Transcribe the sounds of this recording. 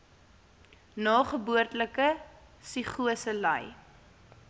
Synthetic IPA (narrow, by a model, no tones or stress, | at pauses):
nɑːχəbuərtləkəsiχuəsəlɐ̰j